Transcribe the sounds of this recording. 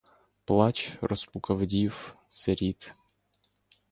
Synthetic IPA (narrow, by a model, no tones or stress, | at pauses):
plˠɑt͡ʃrɔspʊkɐwdʲiw | seɾʲit̪